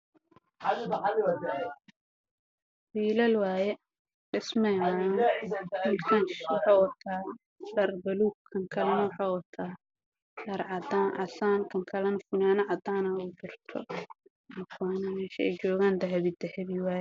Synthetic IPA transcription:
wiːlɐlwaːjɛ | ɖɪsmɛjmaː | mɪlkʰɐnʃwɑħɑːwɐt̪ʰaː | dɐrbɐluːɡkʰɐŋkʰɐlɐnwɑħɑːwɐt̪ʰaː | dɐɾʕɑd̪aːnʔɑɬaːŋkʰɐŋkʰɐlɐnɐfʊnaːnɐʕɑd̪aːnɐuːt͡ʃɪrt̪ʰɔ̰ | ɐkwaːnɐmɛːʃɐɛ̰jt͡ʃɔːɣaːnd̪ɐɦɐβid̪ɐhɛβiwaːjɛ

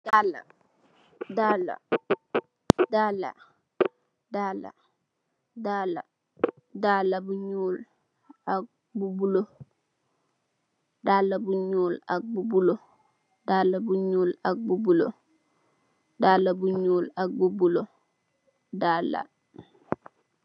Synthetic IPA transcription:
dala̰ | dala̰ | daːla̰ | daːla̰ | dala̰ | dalabuɲuːl | ak̚ | bubulo | daːlabuɲuːlak̚bubulo | daːlabuɲuːlak̚bubulo̰ | daːlabuɲuːlak̚bubulo | daːla̰

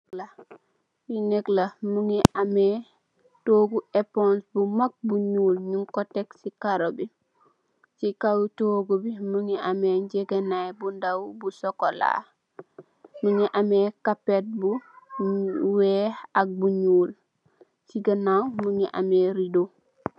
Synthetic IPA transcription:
la | winɛklamuŋiʔamɛ | toːɡuʔepɔ̃nsbumak̚buɲuːlɲuŋkɔtɛksikaɾobi | sikawtoɡubimuŋiʔameɲɟeɡanajbundawbusɔkola̰ | muŋiʔamekapet̚bu | wɛhak̚buɲuːl | siɡɐnawmuŋiʔa̰meɾido

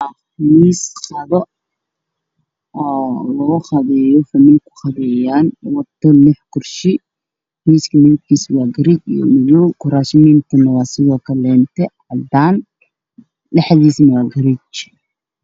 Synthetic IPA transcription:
ɐχmiːsχɐðɔ | lɔʊχɐðɛjɔfɐmɪlkʰʊ̥χɑðɛːjaːnwɐt̪ʰːɔlɪħkʰʊrʃɪ | miːskʰɐmɪðɪɡkʰiːswɑːɡɐɾɪt͡ʃj̰mɪjɔkʰʊɾaːʃɪmiːnt̪ʰʊnɐwɑːsɪðɔːkʰɐlɛːnt̪ʰɛʕɑd̪aːn | lɪħðiːsnɐwɑːɡɐɾɪt͡ʃ

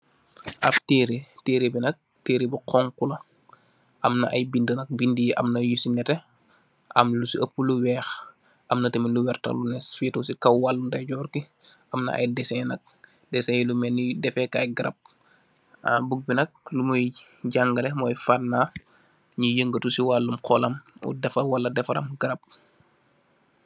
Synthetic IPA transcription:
ʔɐfteɾeteːɾebinɐk̚ | teːɾibiqɔŋkulɐ | ʔɐmnɐ̰ʔɐjbindənɐk̚bindijʔɐ̰mnɐjusinɛtɛ | ʔɐ̰mlusiəpːuluwɛːx | ʔɐmnɐtemiluwɛrtɐ̰lunɛsfitusikɐwwalːundɐjɟɔːrki | ʔɐmnɐ̰ʔɐ̰jdɛsɛnɐk̚ | dɛsɛjlumɛnːudɛfɛkajɡɐɾɐ̰p̚ | abuɡ̚binɐk̚lumɔj | ɟaŋɡɐlɛmɔːjfanːa | ɲujəŋɡətusiwalːumqʰɔːlɐmṵdɛfɐwɐlːɐdɛfɐɾɐ̰mɡɐɾɐp̚

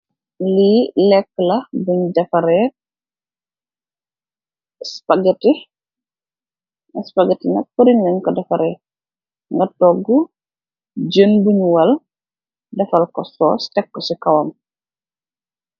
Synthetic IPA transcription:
lilɛkːəlɐbuɲdɐfɐɾɛ | spaɡɛti | spaɡɛtinɐ̰pəɾiɲːɐnkɔdɐfɐɾɛ | ŋɡɐtɔːɡu | d͡ʒənbuɲwɐl | dɐfɐlkɔsɔ̰ːstɛkːɔsikɐwɐm

